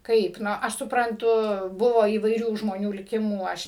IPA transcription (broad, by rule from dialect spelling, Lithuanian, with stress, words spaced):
ˈkɐɪp ˈnʊ ˈɐʃ sʊprɐnˈtʊ ˈbʊʋoː iːʋɐɪˈrʲuː ʒmoːˈnʲuː lʲɪˈkʲɪmuː ˈɐʃ